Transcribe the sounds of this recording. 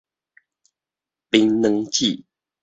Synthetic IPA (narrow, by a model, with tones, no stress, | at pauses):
pi˧˦ŋnə˧˦ŋt͡ɕi˥˨